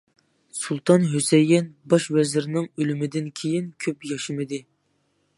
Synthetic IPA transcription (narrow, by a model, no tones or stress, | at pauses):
sulˠt̪ʰɑnɦøsɛjːɛnbɑʃvɛzɪɾnɪŋølymɪd̪ɪnkʲʰejinkʲʰøpjɑʃɨmɨd̪ɪ